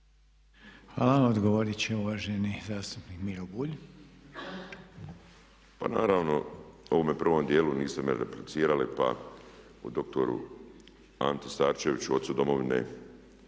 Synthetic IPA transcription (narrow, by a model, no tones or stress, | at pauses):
hʋaːlaod̪ɡoʋoɾit͡ɕeuʋaːʒenizaːst̪upnikmiɾobuːʎ | pa̰naːɾaːʋno̞̰o̞ʋomepr̩ʋo̞md̪jeːluniːst̪emeɾḛplit̪siːɾalipa̰ | ud̪o̞k̚t̪o̞ɾṵ | aːnt̪est̪aːɾt͡ʃeʋit͡ɕuo̞t̪sud̪o̞moʋinḛ